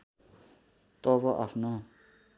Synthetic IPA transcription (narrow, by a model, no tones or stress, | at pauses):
t̪ʌbʌʔapʰno